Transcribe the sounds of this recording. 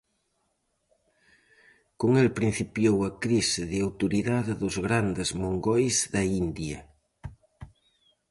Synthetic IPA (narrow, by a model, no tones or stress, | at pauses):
koŋelpɾin̟θipjowɐkɾisɪðɪawt̪uɾiðaðɪðʊzɣɾand̪ezmoŋɡɔjzðɐind̪jɐ